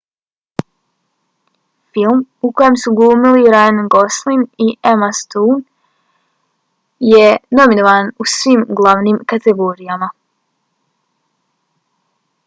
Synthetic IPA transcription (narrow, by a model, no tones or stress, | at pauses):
filˠmukojemsuɡuːmiliɾaanɡoslˠiniemast̪uːn | jenominoʋaːnusʋimɡlˠaʋnimkat̪eɡoːɾijama